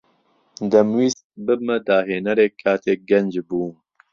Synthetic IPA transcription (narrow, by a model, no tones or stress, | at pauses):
d̪ɐmwiːst̪bɨmɐd̪aːɦeːnɐɾeːkʰːaːt̪ʰeːɡɐnd͡ʒbuː